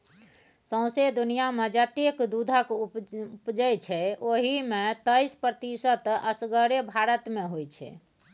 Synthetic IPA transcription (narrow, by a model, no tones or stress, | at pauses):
sə̃w̃sed̪unijaməd͡ʒat̪ekd̪ud̪ʱəkuupd͡ʒəjt͡ʃʰɛoɦimet̪əjspɾət̪isət̪əsɡəɾebʱaɾət̪meɦojt͡ʃʰɛ̰